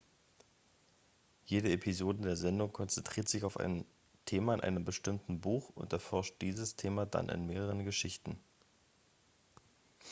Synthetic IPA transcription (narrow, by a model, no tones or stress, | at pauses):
jeːdəepʰizoːdədeːɐzɛndʊŋkʰɔnt͡sɛntʁ̥iːɐtz̥ɪçaʊfʔa̰ɪn | tʰeːmaɪnʔa̰ɪnəmbəʃtɪmtn̩buːxʊ̰ntɛɐfɔɐʃt̚d̥iːzəstʰeːmada̰nʔɪ̰nmeːʁəʁənɡəʃɪçtn̩